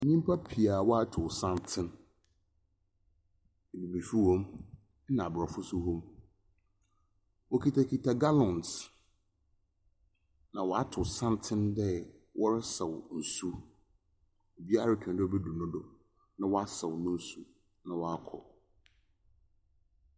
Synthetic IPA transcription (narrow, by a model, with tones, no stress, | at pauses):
nĩ˦m˦pʰa˦pʰi˨a˨wɔ˦a˦tʰʊ˨sã˦ntʰɪ̃˦n˨ | bi˨bi˨fi˦hɔ̃˦m˦ | nã˨a˨bɾɔ˨fʊ˦su˦hɔ̃˦m | wɔ˦kʰi˨tʰa˨kʰi˨tʰa˨ɡa˦lɔ̃˨ns | nã˨wɔ˨a˦tʰʊ˨sã˦ntʰɪ̃˦ndɛ˦ | wʔɔ˦ɾɪ˦sɛ˨wn̩˨su˦ | o˨bi˦a˦˨ɾa˦kʰᶣɛ̃˨ndɛ˦ɔ˦bɛ˦du˨nʊ̃˦dʊ˨ | nã˦wɔ˦a˦sɛ˨wnʊ̃˦n˦su˦ | nã˨wɔ˦a˦kʰɔ̰˨